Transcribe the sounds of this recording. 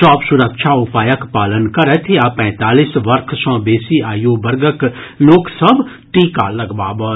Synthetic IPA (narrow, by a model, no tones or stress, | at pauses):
t͡ʃɔːpsʊɾəkʃʰaʊpaːjəkpaːlənkɐɾɛt̪ʰeapɛ̃ːt̪aːliːsʋɐɾkʰsɔ̃ːbeːsiaːjoːbɐɾɡəkloːksəb | ʈiːka̰lɐɡba̰ːbə